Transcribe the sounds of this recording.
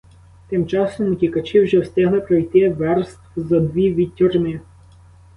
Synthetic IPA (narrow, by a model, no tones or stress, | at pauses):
t̪ɪmt͡ʃɑsɔmʊtʲikɐt͡ʃɪwʒɛwsʲt̪ʲɛɦlˠɪpɾɔjt̪ɪʋɛrst̪wzɐd̪ʋʲiʋʲitʲːurmɪ